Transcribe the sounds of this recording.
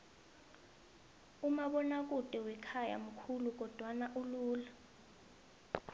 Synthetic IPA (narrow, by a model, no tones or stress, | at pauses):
umaɓɔnak̬ʼutʼɛwɛkʰaja̰m̩kʰuluk̬ɔd̥ʱwanaʔuluːla